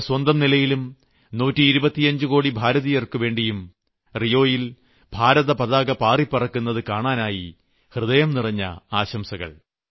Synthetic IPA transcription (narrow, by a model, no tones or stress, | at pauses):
swɐnd̪ɐmnilɐjilum | nuːtːɨːɾubɐt̪ːiɐɲd͡ʑɨko̞ːɽibʱaːɾɐðijɐrkɨʋe̞ːɳɖijum | rijo̞ːjil | bʱaːɾɐðɐpɐðaːɡɐpaːripːɐrɐkːunːɐðɨkaːɳaːnaːji | hrɨðɐjɐmnirɐɲːɐ̰aːɕɐmsɐɣɐ̰ɭ